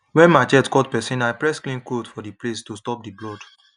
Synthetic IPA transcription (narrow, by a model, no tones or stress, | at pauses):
wɛ̃nmaɪt͡ʃɛtkɔtpɛsĩnaɪpɹɛsklĩnkɹodfɔdiplestustɔp̚diblɔd